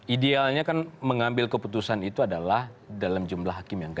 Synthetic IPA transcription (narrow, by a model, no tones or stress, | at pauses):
ʔidealɲakanməŋambɪlkəput̪usanit̪uadalahdalamd͡ʒumlahɦakɪmjaŋɡ